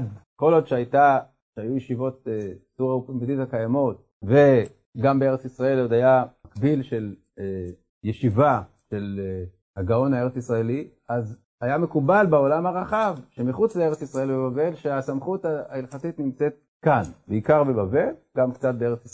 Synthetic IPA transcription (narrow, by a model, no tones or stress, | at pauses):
dko̞lo̞d̪ʃeajta | ʃeajujeʃivo̞t̚esuʁaupidithakajamo̞t̚ | ve̞ | ɡambe̞e̞ʁet͡sisʁae̞lod̪ajamakbilʃe̞l | e | jeʃiva | ʃe̞l | haɡao̞nhaeet͡sisʁae̞li | az | ajame̞kubalbeo̞lamhaʁaχavʃemiχut͡slee̞ʁet͡sisʁae̞lbebave̞lʃeasamχutaailχatit̪nimt͡set̚ | kanbeikaʁbe̞bave̞lɡamkt͡sat̚bee̞et͡sis